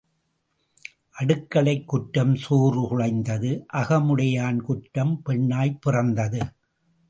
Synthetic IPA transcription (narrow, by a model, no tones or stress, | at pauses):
ʔɐɽɯkːɐɭɐɪkːʊʈːɐmsuːrɯkʊɻɐɪnd̪ɐðɯʔɐɣɐmɯɽɐjaːnkʊʈːɐmpɛɳːaːjpɪrɐnd̪ɐðɯ